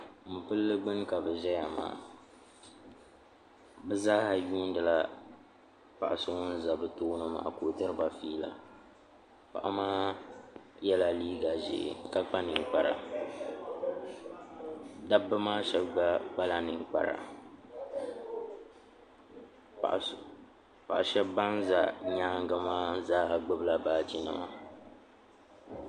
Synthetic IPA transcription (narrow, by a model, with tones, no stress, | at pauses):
m̩˨pɨ˦lːɨ˦ɡ͡bɨ˦ŋka˨bɨ˨ʒɛ˦ja˨ma̰ː˨ | bɛ˦za˦ha˨juː˦n˦dɨ˨la˦ | pa˨ʔa˨sʊ˦ŋʊ˦n̩˦za˨bɨ˦toː˦nɨ˦ma̰˨a̰˨ko˨tɨ˦ɾɨ˦ba˨fiː˦la̰˨ | pa̰˨ʔa˦maː˦ | jɛ˦la˨liː˦ɡa˨ʒḛ˨ka˦k͡pa˦nɨ˨ŋ˨k͡pa˦ɾa̰˨ | da˦bːɨ˦maː˦ʃɛ˦bɡ͡ba˦k͡pa˦la˦nɨ˨ŋk͡pa̰˨ɾa̰˨ | ʔ | pa̰˨ʔa˨ʃɛ˦bba˦n˦za̰˨ɲaː˦ŋ˦ɡa˦maː˦zaː˦ha˨ɡ͡bɨ˦bla˨baː˦ti˦nɨ̰˨ma̰˨